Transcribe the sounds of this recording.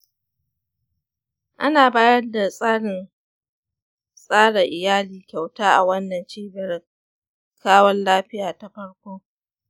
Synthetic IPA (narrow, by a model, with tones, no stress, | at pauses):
ʔa˦naː˨baː˦jɐ˦rda˨sʼaː˦ɽɪ˨n | sʼaː˦ɽɐ˨ʔɪ˨jaː˦liː˨kʲa˨wtaː˦ʔa̰˨wɐ˦nːɐ˨nt͡ʃiː˦bɐ˨r | kʰaː˦wɐ˦nlaː˦ɸɪ˦jaː˨ta˨ɸɐ˦ɽkʷoː˦